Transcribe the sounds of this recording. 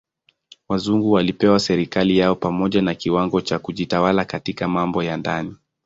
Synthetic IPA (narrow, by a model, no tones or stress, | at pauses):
wazuŋɡuwalipɛwasɛɾikalijaɔpamɔʄanakiwaŋɡɔt͡ʃakuʄitawalakatikamambɔjandani